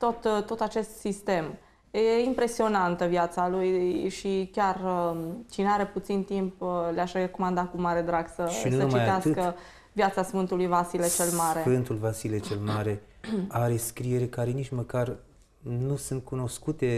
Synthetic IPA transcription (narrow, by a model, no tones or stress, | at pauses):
t̪o̞t̪t̪ːo̞t̪at͡ʃe̞st̪sist̪e̞m | jeimpɾe̞sio̞nant̪əvjat̪salujʃikʲarət͡ʃineaɾe̞put̪sint̪impleaʃɾeko̞mand̪akumːaɾe̞d̪ɾaɡsəʃinuəut͡ʃmaijt̪easɨkə | vjat̪sasfɨnt̪ulujvasilet͡ʃe̞lmaɾe̞ɨnt̪ulvasilet͡ʃelmaɾe̞ | aɾe̞skɾieɾekaɾenit͡ʃməkar | nusɨnt̪̚kuno̞skut̪e̞